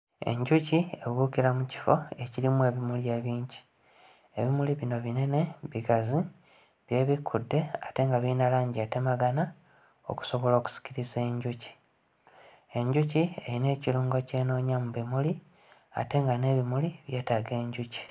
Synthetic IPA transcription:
e̞̰ɲɟucie̞βukiɾamuci̥fo̞e̞ciɾimuwe̞ːβimulje̞ːβiːɲɟi̥ | eβimuliβino̞βine̞ne̞βiɡazi | βje̞ːβikʰːudːe̞ate̞ŋɡaβiːnalaːɲɟiete̞maɡana | o̰ku̥so̞βo̞lo̞ːku̥si̥kciɾizeɲɟuci̥ | e̞ɲɟucie̞̰ɾine̞ːciluːŋɡo̞ce̞ːno̞ːɲamuβimuli | a̰te̞ːŋɡane̞ːβimuliβje̞ːtaɡe̞ːɲɟuci̥

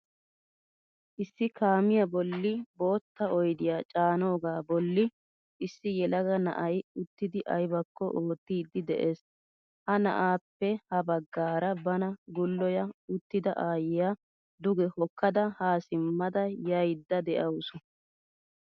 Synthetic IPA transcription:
ʔɪsːɪkʰaːmɪjɐbɔlːɪbo̞ːt̪ːɐɔjd̪ɪjaːt͡ʃʼaːno̞ːɡaːbɔlːɪ | ʔɪsːɪjɛlɐɡɐnɐ̰ʔɐjʊt̪ːɪd̪ɪʔɐjbɐkːɔ̰ʔoːt̪ːiːd̪ːɪd̪ɛʔe̞ːs | hɐnɐ̰ʔaːpːɛhɐbɐɡːaːɾɐbɐnɐɡʊlːɔjɐʊt̪ːɪd̪ɐʔaːjɪja | d̪ʊɡɛhɔkːɐd̪ɐhaːsɪmːɐd̪ɐjɐjd̪ːɐd̪ɛʔɐwsɔ

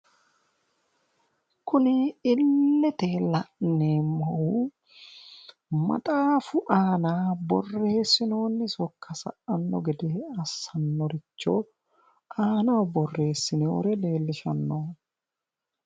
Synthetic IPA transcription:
kʊnɪɪlːɛt̪eːlɐʔnːeːmːɐʔu | mɐ̰t̪ʼaːfʊʔaːnaːbɔ̰rːe̞ːsːɪno̞ːnːɛsɔkʰːɐsɐ̰ʔɐnːɔ̰ɡɛd̪eːɐsːɐnːɔɾɪt͡ʃːo̰ | ʔaːnɐwbɔrːe̞ːsːɪnɛɔ̰ɾɛle̞ːlːɪʃɐnːoː

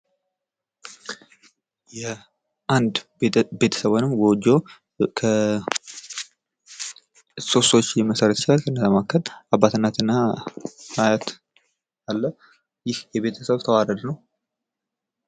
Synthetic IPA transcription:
jɛ | ʔand̪ | be̞t̪ʰə̥səβonɨmɡod͡ʒo | kʰə | so̞sot͡ʃːjɛməsəɾət̪t͡ʃɪlalkʰənːəzamakʰːəlabːat̪ɨnːat̪ɨnːa | hajat̪ | alːə | jɪhjɛβe̞t̪ʰəsəβt̪ʰəwaɾəlnəw

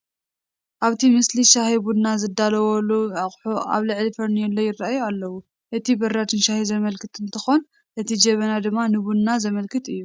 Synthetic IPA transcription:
ʔaβt̪ʰimɨsliʃahibud̪nazɨd̪alɐwoluaχʼħuʔa̰βlɨʕlifɐɾnijɛlːojɪrːaʔajualːɐwu | ʔɨt̪ʰibɐɾːat̪ʰɨnʃahizɐmɐlkʰɨt̪ɨnt̪ʰɨxon | ʔɨt̪ʰid͡ʒɐβɐnad̪ɨmːanɨbud̪nazɐmɐlkʰɨt̪ɨjːu

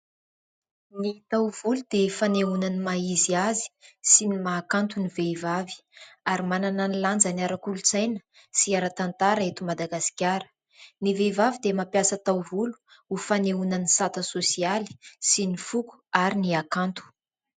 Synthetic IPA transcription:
nit̪awvulud̪efaneunanimaiziazi̥sinimaːkant̪univevavi̥aɾimanananiland͡zaniaɾakulut͡sajnə̥ | siaɾat̪ant̪aɾaet̪umad̪aɡasi̥kʲaɾə̥ | nivevavid̪emapjasət̪awvulu̥ | ufaneunanisat̪əsosiali̥sinifuku̥aɾiniakant̪u̥

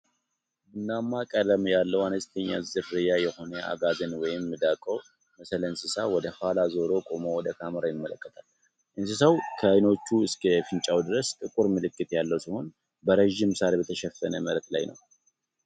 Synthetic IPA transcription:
bɨnːamːakʼələmjalːəwanəst̪ʰəɲːa̰zɨɾːɨjajɛho̞nəa̰ɡazənwɔjɪmːɨd̪akʼo | məsələnsɨsawɔd̪əhalazo̞ɾo̞kʼo̞mo̞wɔd̪əkʰaməɾajɪmːələkːət̪ʰal | ʔɨnsɨsəwkʰəjno̞t͡ʃːuɨskʰəfɨnt͡ʃʼawd̪ɨɾəst̪ʼɨkʼuɾmɨlɨkːɨt̪jalːəwsiho̞n | bəɾəʒɪmsalbət̪ʰəʃɛfənəməɾt̪la̰jnʔə̰w

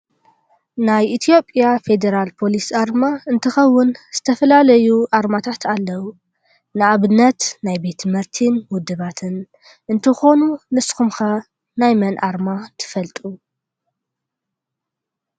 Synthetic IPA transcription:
najʔit̪ʰijo̞pʼjafe̞d̪eɾalpʰo̞lisaɾmaɨnt̪ʰɨxɐwːʊnz̥ɨt̪ʰɐfɐlalɐjuʔaɾmat̪ʰat̪ʰalːɐwu | nɨaβɨnːɐt̪najbe̞t̪ʰmɨɾt̪ʰinwʊd̪ɨβat̪ʰɨn | ʔɨnt̪ʰɨxo̞nunɨskʰumxɐ | najmɐnʔaɾmat̪ʰɨ̥fɐlt̪ʼu

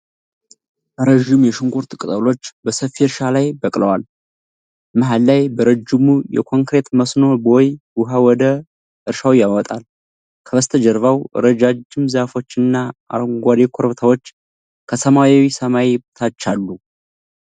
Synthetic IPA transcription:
bəɾəʒɪmjɛʃɨŋɡuɾt̪ʼɨkʼɨt̪ʼəlo̞t͡ʃːbəsəfiɨɾʃalajbəkʼləwal | mɨɦalːajbəɾəd͡ʒːɪmujɛ̰kʰo̞ŋkɾe̞t̪məsno̞bojwʊɦawɔd̪ə | ʔɨɾʃawjawɔt̪ʼal | kʰəβəst̪ʰəd͡ʒəɾvawɨ̰ɾəd͡ʒad͡ʒːɪmzafo̞t͡ʃːɨnːaʔa̰ŋɡʷad̪ekʰo̞ɾβt̪ʰawot͡ʃː | kʰəsəmawawisəmajbt̪ʰat͡ʃːalːu

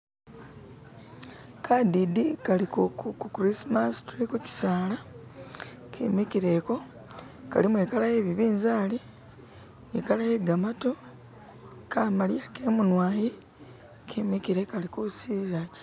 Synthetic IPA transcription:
kʰadidikalikokukukuɾismastuekuci̥saːla | kʰimikiɾe̞ko̞ | ka̰limuekalaje̞βiβiːnzaːli | ekalaje̞ɡamato | kaːmaljakeːmunwaːji | kʰimikiɾe̞kalikosiːzaci̥

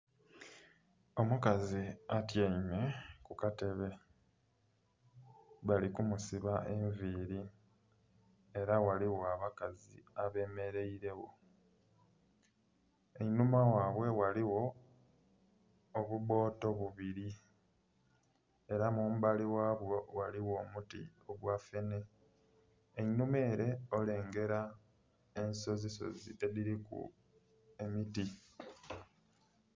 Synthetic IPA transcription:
o̞mukaziatjeɲume̞kukate̞βe̞ | βalikumusiβaʔe̞ɱviːɾi | e̞ɾawaliwo̞aβakazḭaβe̞ːme̞ɾe̞iɾe̞wo̞ | enumawaːβwe̞waliwo̞ | βuβo̞ːto̞βuβiɾi | e̞ɾamuːmubaliwaːβwo̞waliwo̞ːmutḭoɡwafe̞ne̞ | enumeːɾe̞o̞le̞ːŋɡe̞ɾa | e̞nso̞ziso̞̰zḭteðiɾikṵ | emiti

